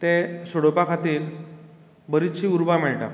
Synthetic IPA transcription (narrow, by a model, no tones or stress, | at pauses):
t̪ẽsoɽopakʰat̪iːɾ | bəɾit̪ɕiːuɾbam̤ɛɭʈa̰